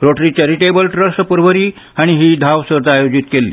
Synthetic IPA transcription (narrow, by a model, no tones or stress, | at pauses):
ɾoʈɾit͡ɕɛɾiʈebəlʈɾəsʈpuɾʋəɾiː | aɽ̃iɦiːd̪ʱaʋsəɾt̪aajod͡ʑit̪kelːḭ